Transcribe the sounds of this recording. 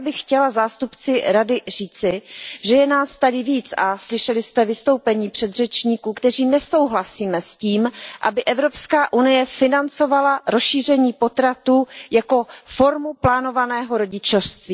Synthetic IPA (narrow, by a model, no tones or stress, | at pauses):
bɪxcɛlazaːst̪upt͡sɪɾadɪriːt͡sɪʒɛjɛnaːst̪adɪviːt͡saslɪʃɛlɪst̪ɛvɪst̪o̞wpɛɲiːpr̥ɛd̪r̝ɛt͡ʃɲiːkuːkt̪ɛr̝iːmnɛso̞wɦlasiːmɛsciːmʔa̰bɪʔɛvɾo̞pskaːʔunɪjɛfɪnant͡so̞valaɾosʃiːr̝ɛɲiːpo̞t̪ɾat̪uːjako̞fo̞ɾmuplaːno̞vanɛːɦo̞ɾo̞ɟɪt͡ʃofst̪viː